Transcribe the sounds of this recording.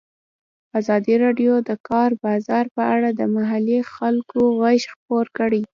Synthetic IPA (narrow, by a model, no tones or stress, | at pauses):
azɑd̪iɾɑɖjod̪əkɑɾbɑzɑɾpəaɽad̪əmaɦalixalkoɣaʃxpoɾkəɽi